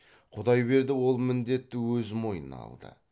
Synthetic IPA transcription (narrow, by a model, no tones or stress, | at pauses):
qʰʊd̪ɑjbe̞ɾd̪ɪwo̞lˠmɪnd̪e̞t̪ːɪwɵzmo̞jənɑ̰lˠd̪ə̰